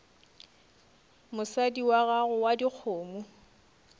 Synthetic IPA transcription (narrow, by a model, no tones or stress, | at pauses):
mʊsadiwaɣaɣʊwadik͡xʰʊːmu